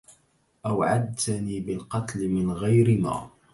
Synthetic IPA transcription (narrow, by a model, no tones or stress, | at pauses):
ʔawʕad̪̚t̪aniːbɪlqɑt̪lɪmɪnɣajɾɪma̰ː